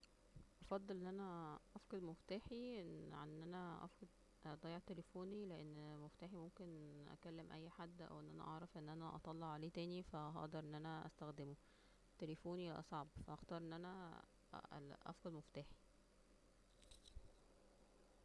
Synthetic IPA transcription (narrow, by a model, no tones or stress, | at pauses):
ʔɑfɑd̪ˤːelʔenːʔænæʔɑfqɑd̪moft̪æːħiʔeʕanːʔænæʔɑ̰fqed̪ | d̪ˤɑjːeʕt̪elefoːnileʔenːmoft̪æːħimomkenʔæ̰kælːemʔæjːħad̪ːʔæ̰wʔenːʔænæ̰ʔɑʕɾˤɑfʔenːʔænæʔɑ̰t̪ˤɑlːɑʕʕaleːt̪æːnifæɦɑ̰ʔd̪ˤɑɾˤʔenːʔænæʔæ̰st̪æxd̪emo | t̪elefoːniʔɑ̰sˤɑʕɑbfæʔɑxt̪ɑːɾˤʔenːʔænæ | ʔɑ̰fqɑd̪moft̪æːħi̥